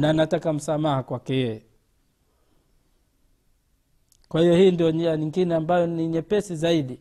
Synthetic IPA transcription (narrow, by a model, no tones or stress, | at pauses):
nanatakam̩samahakwakɛjɛjɛ | kwahijɔhiːndiɔɲiaɲiŋɡinɛambajɔniɲɛpɛsizaiɗi